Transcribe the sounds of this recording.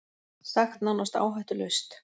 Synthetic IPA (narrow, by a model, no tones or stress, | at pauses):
saxt̪nawnast̪a̰ːwɦajht̪ʏlœɥst̪